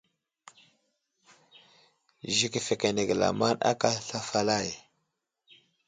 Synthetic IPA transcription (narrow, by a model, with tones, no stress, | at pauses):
ʒi˦ki˨fe˨ke˨ne˨ɡla̰˨ma˦na̰˦ka˦ɬa˦fa˦la˦˨j